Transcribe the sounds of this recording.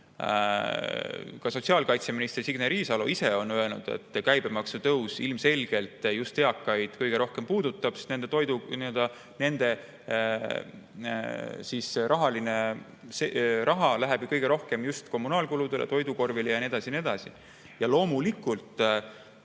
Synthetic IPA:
kɑso̞t̪ʲsiɑlkɑjt̪se̞minist̪ersiɡneɾiːsɑlo̰ise̞o̞nøe̞lnṵd̪̥e̞̰t̪ːkæjb̥e̞mɑksut̪ɤwsilmse̞lʲɡ̥e̞lt̪ːˑjust̪he̞ɑkːɑjd̪̥kɤjɡ̥e̞ɾo̞hke̞mpuːd̪ut̪ːˑɑb̥se̥t̪nend̪̥et̪o̞jd̪uniøld̪̥ɑ | ne̞nd̪̥e̞ | sisɾʔɑɦɑline | serʔɑɦɑlæɦeb̥jukɤjɡ̥e̞ɾo̞hke̞mjust̪ko̞mːunɑːlkulud̪̥e̞lḛt̪o̞jd̪uko̞rvilejɑnied̪ɑsinie̞d̪̥ɑsi | jɑlo̞ːmulikːˑult̪ˑ

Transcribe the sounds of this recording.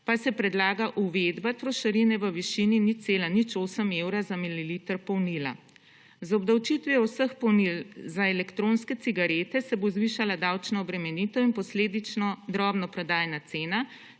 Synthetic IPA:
pasɛpɾɛd̪laːɡaʔuʋed̪bat̪ɾɔʃɐɾinɛʋəʋiʃininit̪seːlanit͡ʃoːsəmewɾazamililiːt̪əɾpɔwnila̰ | zɔbd̪awt͡ʃit̪ʋjɛwsəxpɔwnilzaɛlɛkt̪ɾonskɛt̪siɡaɾeːt̪ɛsɛbozʋiːʃalad̪awt͡ʃnɔɔbɾɛmɛnit̪ɔinpɔsleːd̪it͡ʃnɔd̪ɾɔːbnɔpɾɛd̪aːjnat̪seːna

